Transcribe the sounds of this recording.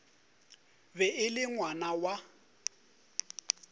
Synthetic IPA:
bɛɪlɪŋwanawa

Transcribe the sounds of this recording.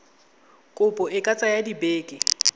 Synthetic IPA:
kʼʊpʼɔɪkʼat͡sʼajadibeːkʼɪ

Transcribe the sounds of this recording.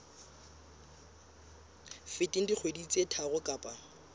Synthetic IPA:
fɪtʼin̩dik͡xʰwedit͡sʼetʰaɣʊkʼaːpʼa

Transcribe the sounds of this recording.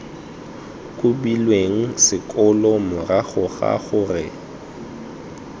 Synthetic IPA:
kʼʊbilweŋ̩sɪkʼʊlɔmʊraɣʊɣa̰ɣʊrɪ̰

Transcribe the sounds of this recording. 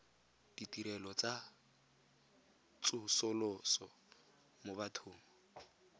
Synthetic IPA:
d̥itʼiɾɛlɔt͡sʼa | t͡sʼʊsʊlɔsɔ | mobatʰʊːŋɔ

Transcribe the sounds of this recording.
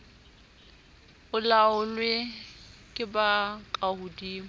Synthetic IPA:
ʊlaʊlwɪ | kʼɪbakʼahʊdiːŋʊ

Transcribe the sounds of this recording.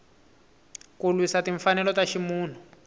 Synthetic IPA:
kulwisatiɱfanɛlɔtaʃimuːn̤u

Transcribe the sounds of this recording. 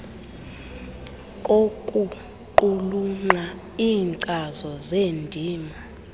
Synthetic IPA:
kʼokʼu | ǃuluŋ͡ǃa | iːŋǀazɔzendʱiːma

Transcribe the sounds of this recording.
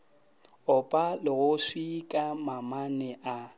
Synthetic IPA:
ʊpʼalɪɣʊsikʼamamanɛʔa

